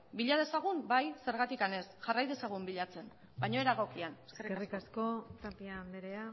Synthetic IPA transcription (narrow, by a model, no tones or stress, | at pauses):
biʎað̞e̞saɣ̞umbajse̞ɾɣ̞at̪ikane̞sʝarajðe̞saɣ̞umbiʎat͡se̞n | baɲo̞e̞ɾaɣo̞kianesserierikasko̞t̪apiand̪eɾea